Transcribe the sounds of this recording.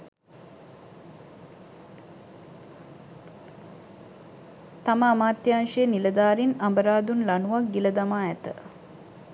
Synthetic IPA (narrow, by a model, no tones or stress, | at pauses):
t̪aməamaːt̪jaːŋʃejniləd̪aːɾinambəɾaːd̪unlanuʋak̚ɡiləd̪amaːæt̪ə